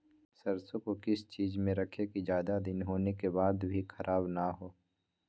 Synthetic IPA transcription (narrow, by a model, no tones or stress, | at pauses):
sɐɾsõkokɪst͡ʃiːzmẽɾɐkʰekid͡ʒjaːd̪ad̪ɪnɦoːnekebaːd̪bʱixʰɐɾʔaːbnaɦoː